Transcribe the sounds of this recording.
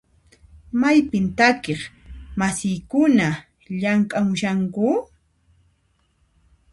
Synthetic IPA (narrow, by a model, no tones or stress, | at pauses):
majpɪnt̪akeχmasɪjkʊna | ʎaŋkʼamʊʃaŋkʊ